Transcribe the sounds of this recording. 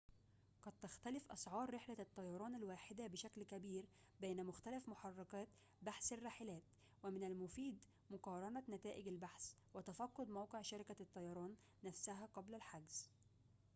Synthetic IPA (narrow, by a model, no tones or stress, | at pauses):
qɑd̪̚t̪axt̪ælɪfʔɑ̰sˤʕɑːɾˤːɪħlæt̪ˤːɑjɑɾˤɑːnalwaːħɪd̪æbɪʃæklkæbiːɾ | bejnæmʊxt̪ælæfmʊħɑrˤːɑkɑːt̪ | baħsarˤːɑːħɪlæːt̪̚ | wæmɪnælmʊfiːd̪ | mʊqɑːɾˤɑnanæt̪æːʔɪɡalbaħs | wɪt̪æfɑqːʊd̪mɑwqeʕʃaɾɪkat̪ˤːɑjɑɾˤɑːnː | æfsæɦæqɑblalħaɡz̥